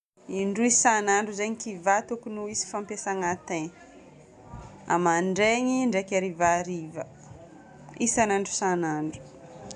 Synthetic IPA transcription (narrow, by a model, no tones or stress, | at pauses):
iɳɖ͡ʐuizsanaɳɖ͡ʐuzeɲikivat̪ukunuizi̥fampesaŋat̪en | a̰maɳɖ͡ʐeɲiɳɖ͡ʐekʲaɾivaɾivə | isanaɳɖ͡ʐu̥sanaɳɖ͡ʐu̥